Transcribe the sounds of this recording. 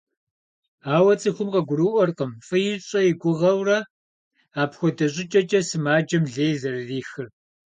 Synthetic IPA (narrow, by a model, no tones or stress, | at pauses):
aːwɐt͡sʼɨxʷʊmqɐɡʷʊɾɨːʔʷɔrqəmfɨjɪɕʼɐjɪɡʷʊʁɐwrɐ | aːpxʷɔdɐɕʼɪt͡ʃʼɐt͡ʃʼɐsɨmaːd͡ʒɐmɮeːjzɐrɐriːxɨr